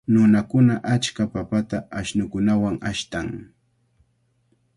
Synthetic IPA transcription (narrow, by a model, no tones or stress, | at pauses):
nʊnakʊnaʔat͡ʃkapapat̪aːʃnʊkʊnawaŋaʃt̪aŋ